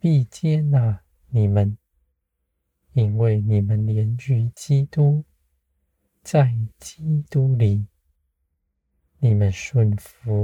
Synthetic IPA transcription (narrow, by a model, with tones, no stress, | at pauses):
pi˥˩t͡ɕjɛ˥na˥˨˩ | ni˨˩mə˨˦n | i˦˥nwe˥˩ɪni˨˩mə˨˦nljɛ˧˦nt͡ɕy˧˥t͡ɕi˦t̪u˦ | t͡sa˥˩ɪt͡ɕi˦t̪u˦li˨˩ | ni˨˩mə˦nʂwə˥˩nfu˧˦